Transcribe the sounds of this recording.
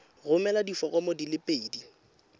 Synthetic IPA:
ɣʊmɛladifɔɣʼɔmɔdilɪpʼeidi

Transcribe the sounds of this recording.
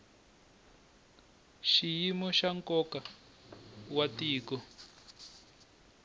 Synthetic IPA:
ʃijimɔʃaŋkɔka | watiːkɔ

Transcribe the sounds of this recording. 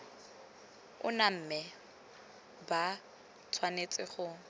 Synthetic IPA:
ʊ̰nam̩mɛ | ba | t͡sʰwanet͡sʼɪχʊ

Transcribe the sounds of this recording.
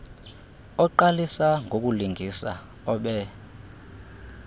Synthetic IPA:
ɔǃalisaŋɡʱok̬ʼuliŋʱisa̰ | ɔɓɛ

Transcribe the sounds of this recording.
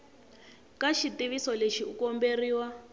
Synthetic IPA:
kaʃitiβisɔleʃiukɔmberiːwa

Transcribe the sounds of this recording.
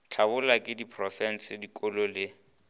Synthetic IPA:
t͡ɬʰabʊlakʼɪdipʰʼrɔfɛn̩sɪdikʼɔlɔlɪ

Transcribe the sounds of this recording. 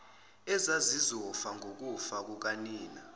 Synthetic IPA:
ɛzazizɔfaŋʱok̬ufak̬uk̬aniːna

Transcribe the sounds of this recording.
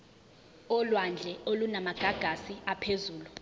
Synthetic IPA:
ɔlwand͡ɮʱɛolunamaɡ̥ʱaɡ̥ʱasiapʰezuːlu

